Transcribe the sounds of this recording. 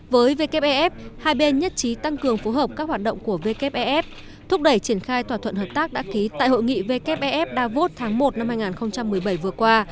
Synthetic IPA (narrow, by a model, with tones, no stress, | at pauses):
vəː˨˦jve˧kɛ˦˥p̚ʔɛ˧ʔɛ˦˥p̚haː˧jɓe˧nɲə˦˥t̚t͡ɕi˨˦t̪a˧ŋkɨ˨˩əŋfo˨˦ɦəː˨˩p̚kaː˦˥k̚hwaː˨˩t̚ɗə̰˧˨wŋ͡mku˧˩əve˧kɛ˦˥p̚ʔɛ˧ʔɛ˦˥p̚ | t̪ʰʊ˦˥k͡p̚ɗə˧˩jt͡ɕi˧˩ənxaː˧jt̪ʰwaː˧˩t̪ʰə̰˧˨nhəː˨˩p̚t̪aː˦˥k̚ɗa̰ː˧˥ki˨˦t̪a̰ː˧˨jɦo̰˧˨jŋḭ˧˨ve˧kɛ˦˥p̚ʔɛ˧ʔɛ˦˥p̚ɗaː˧vo˦˥t̚t̪ʰaː˨˦ŋmo˨˩t̚na˧mhaː˧jŋaː˨˩nxə˧wŋ͡mt͡ɕa˧mːɨ˨˩əjɓə˧˩jvɨ˨˩əkwaː˧